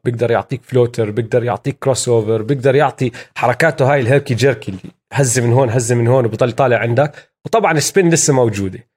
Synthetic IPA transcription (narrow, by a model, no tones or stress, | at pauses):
b̥jɪɡd̪ɑɾˤjʊ̰ʕt̪ˤiːkfloːt̪ɪɾbjɪɡ̚d̪ɑɾˤjʊ̰ʕt̪ˤiːkːɾosoːvɪɾbjɪɡd̪ɑɾˤjɪʕt̪ˤiħɑɾˤɑkaːt̪ʊɦaːjɪlɦeɾkid͡ʒɪɾkilːḭ | ɦazːɪmɪnɦoːnɦazːɪmɪnhoːnwbt̪ˤɑlːit̪ˤɑːlɪʕɪnd̪ak | wt̪ˤɑbʕɑnɪspɪnːlɪsːamawd͡ʒuːd̪e